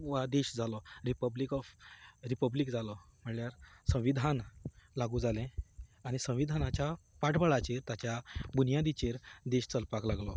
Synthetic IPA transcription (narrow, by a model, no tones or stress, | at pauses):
ʋad̪eɕd͡zalɔɾipəblikɔfɾipəblikd͡zalɔm̤əɳljaɾsə̃ʋid̪ʱanlaɡũːd͡zalɛ̃aɽ̃isə̃w̃ʋid̪ʱanat͡ɕjapaʈbaɭat͡ɕeɾt̪at͡ɕjab̪unjad̪it͡ɕeɾd̪eɕt͡səlpaklaɡlɔ